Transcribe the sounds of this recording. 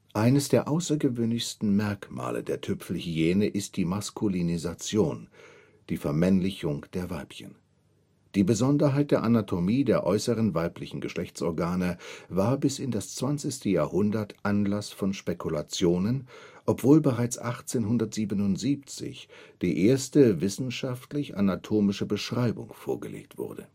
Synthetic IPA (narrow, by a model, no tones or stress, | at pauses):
ʔaɪnəsd̥eːɐʔaʊsɐɡəvøːnlɪçstn̩mɛɐkma̰ːlə̰deːɐtʰʏpfl̩heːnəʔɪst̚d̥iːmaskʰulinizat͡sjoːn | d̥iːfɛɐmɛnlɪçʊŋd̥eːɐvaɪpçə̰n | d̥iːbəzɔndɐɦaɪt̚d̥eːɐʔanatʰomiːdeːɐʔɔʏsəʁənvaɪplɪçn̩ɡəʃlɛçt͡sʔɔɐɡaːnəvaːɐbɪsɪndast͡sv̥ant͡sɪçstəjaːɐhʊndɐtʔanlasfɔnʃpekʰulat͡sjoːnənʔɔpv̥oːlbəʁaɪt͡sʔaχt͡seːnɦʊndɐtz̥iːbənʊntz̥iːp̚t͡sɪ̰çd̥iːʔeːɐstəvɪsn̩ʃaftlɪçʔa̰natʰoːmɪʃəbəʃʁ̥aɪbʊ̰ŋfoːɐɡə̰lḛːk̚tv̥ʊ̰ɐdə̰